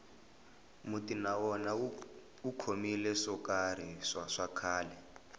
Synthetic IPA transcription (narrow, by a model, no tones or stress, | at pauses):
mutinawɔna | ukʰomilɛʂɔkaɾ̤iʂaʂakʰaːlɛ